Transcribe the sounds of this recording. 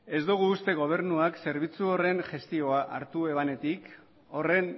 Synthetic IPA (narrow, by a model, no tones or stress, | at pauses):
e̞zd̪uɣ̞uːst̪e̞ɣ̞o̞β̞e̞ɾnuakse̞ɾβ̞it͡suo̞re̞nʝe̞st̪io̞aʔa̰ɾt̪ue̞βane̞t̪ik | o̞re̞n